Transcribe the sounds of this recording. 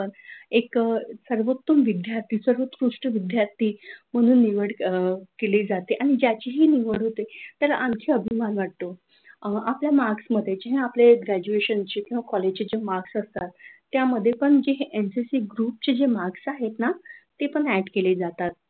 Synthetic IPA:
əɳeksəɾʋot̪ːəmʋid̪ʱjaɾt̪iːsəɾʋot̪ːɾuʂʈəʋid̪ʱjaɾt̪iːm̤əɽ̃uːnːiʋəɽkeled͡zat̪eʔaɽ̃id͡ʑjat͡ɕeɦiːniʋəɽɦot̪et̪jalaʔamkʰiːəbʱimanʋaʈ̚t̪o | apljamaksməd̪ʱːjed͡ʑeɦẽapleɡɾæd͡ʑueɕənt͡ɕekĩw̃ʋakɔled͡ʑt͡ɕed͡ʑemaɾksəst̪at̪ː | jaməd̪ʱːjepəɳd͡ʑeɦeʔensisiːɡɾup̚t͡ɕed͡zemaɡsaɦet̪nat̪epəɳæʈkeled͡zat̪at̪̚

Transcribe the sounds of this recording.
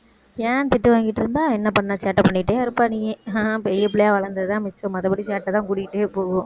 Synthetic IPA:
jaːt̪ɪʈːɯʋaːŋɡɪʈːɯɾɯnd̪ãːɛnːɐpɐɳːaːt͡ʃeːʈːɐpɐɳːɪɪʈːeɐɾɯpːaːniŋẽapɛɾɪjɐpɪɭɐjaːʋɐɭɐnd̪ɐt̪ãːmɛt͡ʃːʊ̃mɐðɐpːɐʈːit͡ʃeːʈːɐt̪ãːkʊɽɪkːɪʈːpoːɣʊ̃

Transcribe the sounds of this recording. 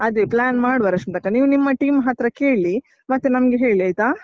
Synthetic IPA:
ɐd̪eplaːnmaːɽʋaːɾɐʂɳt̪ɐkːɐniːʋunimːɐʈiːmɦɐt̪ɾɐke̞ːɭli | mɐt̪ːenɐmɡeɦe̞ːɭliɐjt̪aː

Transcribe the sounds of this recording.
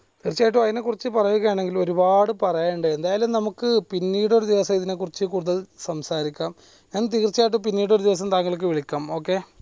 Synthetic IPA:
t̪iːrt͡ɕːjaːjʈːumɐðinekːurit͡ɕːɨpɐrɐjuɣɐjaːɳe̞ŋɡilo̞ɾubaːɽɨpɐrɐjeɳɖɨend̪aːjaːlumnɐmukːɨpinːiːɽo̞ɾud̪iʋɐsɐmiðinekːurit͡ɕːɨkuːɽuðɐlsɐmsaːɾikʲːaːm | enːɨt̪̬iːrt͡ɕːjaːjʈ̬ːɨpinːiːɽo̞ɾud̪iʋɐs̬ɐmt̪aːŋːɐɭk̬ːɨʋiɭikʲːaːmo̞ːkːe̞

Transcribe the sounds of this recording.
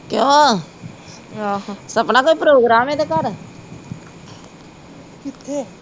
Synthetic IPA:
kjɔ̃ː | səpnaːkoːiːpɾoːɡɾaːmeːd̪eːkəɾ | kɪt̪ʰːe

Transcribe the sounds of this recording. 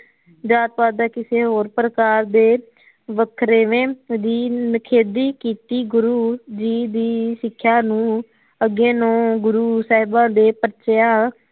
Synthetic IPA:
d͡ʒaːt̪̚paːd̪aːkɪseːɦoːɾpɾəkaːɾd̪eː | ʋəkʰɾeːʋẽːd̪iːnəkʰeːd̪iːkiːt̪iːɡʊɾuːd͡ʒiːd̪iːsɪkʰːjaːnũː | əɡẽːnõːɡʊɾuːsaːɦɪbãːd̪eːpəɾt͡ʃːjaː

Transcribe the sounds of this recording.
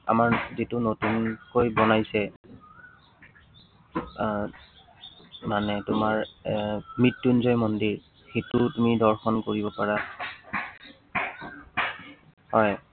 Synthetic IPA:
a̰maɹzitʊnotunkojbɔnajsɛ | manɛtʊmaɹ | mitːunzɔjmɔndiɹ | xetʊtumidɔɹxɔnkoɹibɔpaɹa | hɔj

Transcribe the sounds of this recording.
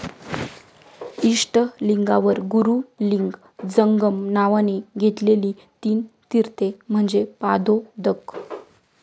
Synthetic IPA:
iʂʈəliŋɡaʋəɾɡuɾuliŋɡ | d͡zəŋɡəmnaʋaneɡʱet̪leli | t̪iːnt̪iɾt̪em̤əɳd͡zepad̪od̪ək

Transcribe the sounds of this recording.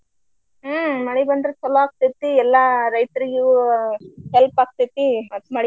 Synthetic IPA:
mɐɽibɐnd̪ɾesɐloaːk̚t̪it̪ːiɛlːaɾɐjt̪əɾiɡuu | hɛlpaːk̚t̪it̪ːiɐmɐɽi

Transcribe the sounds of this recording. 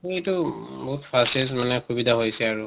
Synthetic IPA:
eetʊbɔɦutpʰasɛzmanɛxubidaɦojsɛaɹu

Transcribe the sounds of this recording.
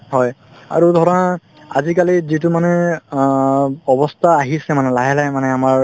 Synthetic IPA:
hɔj | a̰ɹudʱɔɹɔna | a̰zikalizit̬umanɛ | ɔbɔstʰaːɦisɛmanɛlaɦɛlajmanɛamaɹ

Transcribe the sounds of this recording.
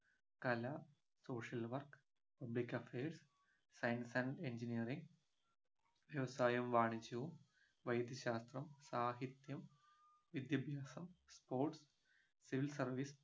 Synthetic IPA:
kɐlaː | soːʂɐlʋɐrk | pɐblikːɐfeːrs | sɐjnsɐɳɖeɲd͡ʑinijɐɾiŋɡ | ʋjɐʋɐsaːjɐmʋaːɳit͡ɕːɐʋum | ʋɐjd̪ɐɕaːst̪rɐmsaːɦit̪jɐm | ʋid̪jɐbʱjaːsɐmspoːrʈs | siʋilsɐrʋis

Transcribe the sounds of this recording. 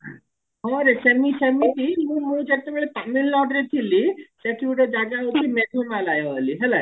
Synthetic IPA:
ɦɔ̃ɾesemisemit̪imũmũd͡ʒet̪ebeɭet̪amilnɔɖɾit̪ʰilisekuʈɔd͡ʒaɡaɦuk̪imed̪ʱumalajɔəliɦɛla

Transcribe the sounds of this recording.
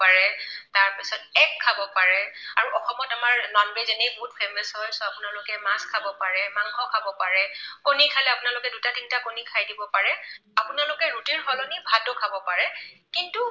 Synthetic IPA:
aɹɛtaɹpisɔt̚ɛkʰːabɔpaɹɛaɹuʔɔxɔmɔtamaɹlanɡɹezɛnɛjboɦut̚pʰemɛsɔɦɔjsɔapʊnalʊkɛmaskʰabɔpaɹɛmaŋkɔkʰabɔpaɹɛkonikʰalɛapʊnalʊkɛdutatintakonikʰajdibɔpaɹɛapʊnalʊkɛɹutiɹɦɔlɔnibʱatɔkʰabɔpaɹɛkintu

